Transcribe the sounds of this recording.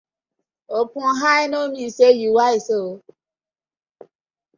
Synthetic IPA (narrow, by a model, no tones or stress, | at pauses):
opũɦainomisejuwaiso